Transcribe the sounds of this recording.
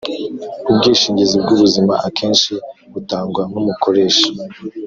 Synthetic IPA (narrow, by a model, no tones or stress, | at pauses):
ubɡiːʃiːɲɟizibɡuβuzimaʔakʰe̞ːnʃiɡutaːŋɡwanumuko̞ɾe̞ːʃḁ